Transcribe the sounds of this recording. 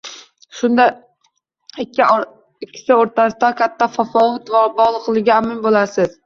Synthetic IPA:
ʃʊnd̪a | ɪkʲːɪ | ɪkʲʰːɪ̥sɪoɾt̪ʰasɪd̪akʲʰat̪ʰːafafɒvʊt̪vbɒʁlˠɨqlˠɪɡʲɪamɪnbolasɪz̥

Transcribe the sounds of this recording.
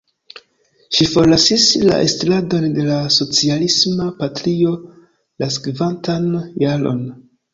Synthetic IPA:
ʃifo̞ɾlasisla̰ʔestlado̞nde̞laso̞t͡sialismapatɾio̞ | laskvantanjalo̞̰n

